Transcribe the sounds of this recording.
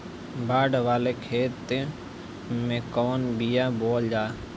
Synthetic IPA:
baːɖʋaːlekʰeːt̪ | mẽːkoːnbijaːboːld͡ʒaː

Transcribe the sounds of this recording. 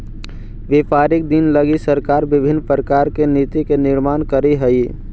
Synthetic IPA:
ʋepaːɾɪk̚d̪inləɡisəɾkaːɾbɪbʱɪnːpɾəkaːɾkenit̪ikenɪɾmaːnkəɾiɦəi

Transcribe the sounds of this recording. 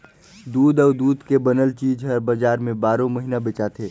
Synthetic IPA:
d̪uːd̪ɔːd̪uːd̪kebənəlt͡ʃiːd͡ʒɦəɾbəd͡ʒaːɾmẽbaːɾõməɦinabet͡ʃat̪ʰeː

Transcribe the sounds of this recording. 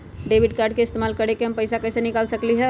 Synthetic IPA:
ɖebʱiɖkaɾɖ̚keɪst̪emaːlkəɾekeɦəmpəɪsakəɪsenikalsəkliɦɛ

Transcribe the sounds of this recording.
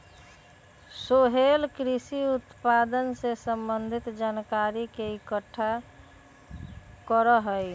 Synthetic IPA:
soɦelkɾisiut̪pad̪ənsesəmbənd̪ʱit̪d͡ʒankaɾikeikəʈʰːa | kəɾəɦəj

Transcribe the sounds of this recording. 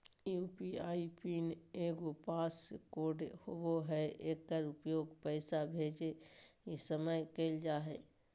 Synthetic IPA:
juːpiaːipineːɡopaːskoːɖhoboɦɛeːkːəɾʊpjoːɡpɛɪsabʱeːd͡ʒeisəməjkeːld͡ʒaːɦɛː

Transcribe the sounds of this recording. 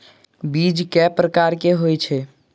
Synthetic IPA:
bid͡ʒkɛpɾəkaɾkeɦojt͡ʃʰɛ

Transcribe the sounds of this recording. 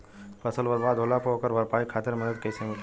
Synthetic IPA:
pɐsəlʋəd̪ʋaːd̪ʱolapokəɾʋɐɾpaːikʰaːt̪ɪɾmɐd̪əd̪̚kɐisemik̪

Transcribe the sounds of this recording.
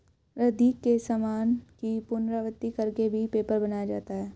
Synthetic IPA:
ɾəd̪iːkːesamaːnkipʊnɾaʋət̪ːikɐɾkebʱipeːpəɾbɐnajad͡ʒa̰ːt̪aɦɛː

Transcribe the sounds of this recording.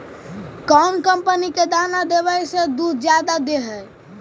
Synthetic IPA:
kɔnkəmpəniked̪anad̪ebəjsed̪ud̪ʱd͡ʒjad̪ad̪eɦəj

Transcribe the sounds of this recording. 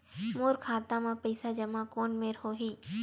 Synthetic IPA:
moːɾkʰaːt̪ãmãpɐɪsad͡ʒɐmãkoːnmeɾɦoːɦiː

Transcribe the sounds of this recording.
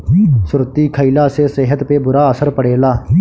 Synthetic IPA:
sʊɾt̪iːkʰəilaːseːseɦət̪peːbʊɾaːəsəɾpəɽeːlaː

